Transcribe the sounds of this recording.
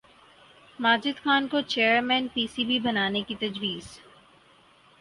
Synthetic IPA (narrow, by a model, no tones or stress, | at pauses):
maːd͡ʒɪd̪xaːnkot͡ʃeːəɾmɛ̃ːnpiːsibʱibɐnaːnekit̪ɐd͡ʒwiːz̥